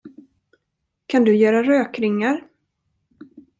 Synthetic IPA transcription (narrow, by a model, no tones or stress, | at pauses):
kʰand̪ɵjœːɾaɾøːkɾɪŋːaɾ